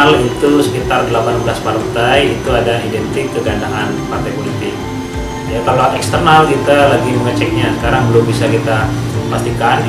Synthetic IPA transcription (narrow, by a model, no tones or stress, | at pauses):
lit̪usə̥kit̪ardəlapanbəlaspaɾənt̪ajit̪uadaidɛnt̪ɪkːəɡandaŋanpart̪ajpolit̪ɪk̚ | d͡ʒait̪aloat̪ɛkst̪ərnalkit̪alaɡiməŋət͡ʃɛk̚ɲasə̥kaɾaŋbəlombisakit̪a | past̪ikan